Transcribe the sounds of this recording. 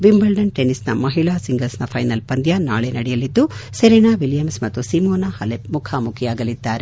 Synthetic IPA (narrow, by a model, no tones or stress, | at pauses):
ʋimbɐlɖɐnʈenisnɐ̰mɐɦiɭaːsiŋɡɐlsnɐpʰɐjnɐlpɐnd̪janaːɭenɐɽɛjɐlid̪ːuseɾinaːʋiljɐmsmɐt̪ːusimoːnahɐlepmukʰamukʰijaːɡɐlid̪ːaːɾe